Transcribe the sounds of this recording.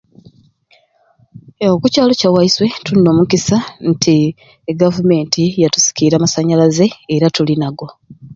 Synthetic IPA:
okucaːlo̞cawaiswe̞tunːo̞ːmukisantʰi | ɡavume̞ːntʰijatu̥si̥kiːɾamasaɲalaze̞ːɾatulinaɡo̞

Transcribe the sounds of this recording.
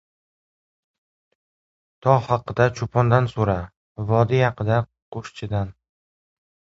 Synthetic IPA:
t̪ʰɒhɑqɨd̪at͡ʃʰʊpʰɒnd̪ansoɾa | vɒd̪ɪjɑqʰɨd̪a | qʰoʃt͡ʃʰɪd̪an

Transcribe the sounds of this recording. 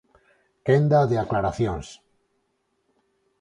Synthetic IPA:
kend̪aðeaklaɾaθjons

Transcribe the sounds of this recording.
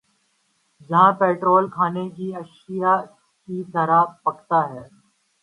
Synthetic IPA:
d͡ʒɐɦãpeːʈɾoːlkʰaːnek̬iɐʃija | kit̪ɐɾapɐkt̪aɦɛː

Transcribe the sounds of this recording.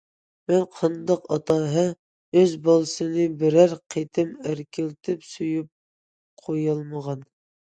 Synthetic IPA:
mɛnqʰɑnd̪ɑqɑt̪ɑɦɛ | øzbɑlˠɨsɨnɨbɪɾæɾqʰet̪ʰɪmæɾtkʲʰɪlt̪ʰɪpsujyp̚ | qʰojɑlˠməʁɑn

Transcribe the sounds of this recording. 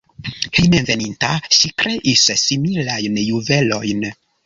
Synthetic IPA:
himenve̞nintaʃikɾe̞ʔissimilajnjuve̞lo̞jn

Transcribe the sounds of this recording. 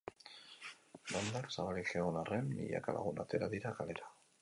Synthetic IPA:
lond̪aksaβalixeonarenːiʎa̰ka̰la̰ɣuna̰t̪e̞ɾaðiɾakale̞ɾa

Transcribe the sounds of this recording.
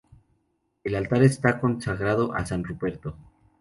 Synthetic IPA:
elalt̪aɾest̪ako̞nsaɣɾaðo̞ʔasanruβe̞ɾt̪o̞

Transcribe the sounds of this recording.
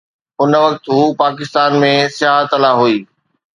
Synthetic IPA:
ʊnəʋɐk̚t̪ɦuːpaːkɪst̪aːnmẽsɪjaːɦət̪ɐlaɦuiː

